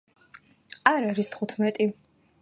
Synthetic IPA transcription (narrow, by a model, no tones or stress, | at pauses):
aɾaɾist̪ʰχut̪ʰmɛt̪ʼi